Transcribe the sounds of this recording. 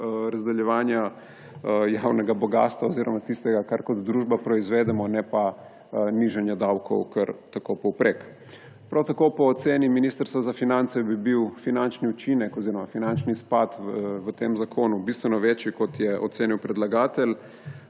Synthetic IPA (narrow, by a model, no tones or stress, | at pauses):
ɾazd̪ɛljɛʋaːnja | jawnɛɡabɔɡa̰ːst̪ʋaoziɾɔmat̪ist̪ɛɡakaɾkɔd̪d̪ɾuʒbapɾɔizʋeːd̪ɛmɔnɛpa | niʒɛnjɛd̪awkʰɔ̰wkəɾt̪akopɔwpɾek | pɾawt̪akopɔːt̪seːniminiːst̪əɾst̪ʋazafinant̪sɛbibiwfinant͡ʃniut͡ʃinɛkɔziɾɔmafinant͡ʃnispat̪ʋət̪emzakʰoːnubist̪ʋɛnɔʋet͡ʃjikɔt̪jɛɔ̰t̪seːniwpɾɛd̪laɡaːt̪ɛl